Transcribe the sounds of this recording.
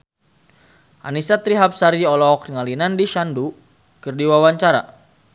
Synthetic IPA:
ʔa̰nisat̪ɾiɦap̚saɾiɔlɔk̚dəŋalinandiʃandu | kərdiwawaɲt͡ʃaɾa̰

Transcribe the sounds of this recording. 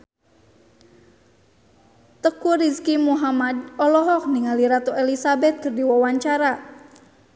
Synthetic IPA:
t̪əkuɾiskimuɦamadɔlɔɦɔk̚niŋaliɾat̪uʔelisabɛt̪̚kɨrdiwawaɲt͡ʃaɾa

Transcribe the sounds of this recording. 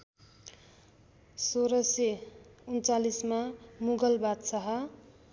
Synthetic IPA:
soɾʌseunt͡salismamuɡʌlbad̪sʌɦʌ

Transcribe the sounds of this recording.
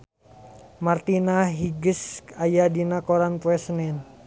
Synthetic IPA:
mart̪inaɦiɡəsajadinakɔɾanpuɛsənɛn

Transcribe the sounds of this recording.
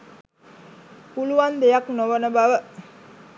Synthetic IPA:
puluʋand̪ejaknoʋənəbaʋə

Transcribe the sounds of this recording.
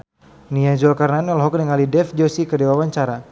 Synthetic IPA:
niad͡ʒɔlkaɾnanɔlɦɔknəŋalidɛfd͡ʒosikədewawaɲt͡ʃaɾa

